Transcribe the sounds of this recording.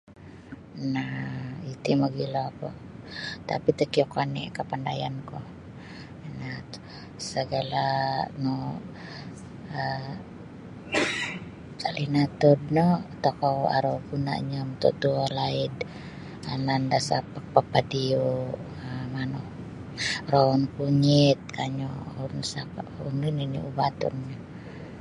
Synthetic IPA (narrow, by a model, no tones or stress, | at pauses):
nait̪imɔɡilakɔ̰ | t̪a̰pit̪əkiɔkanḭkapandajankɔ | na | səɡalanɔ | ə | salinat̪ɔdnɔt̪ɔkɔa̰ɾɔkuna̰ʔɲamt̪ɔ̰t̪ualaid | anandasapapapadiu | manɔ | rɔɔnkuɲit̪̚kʰaɲɔunsapaunininḭubat̪ɔ̰nɲa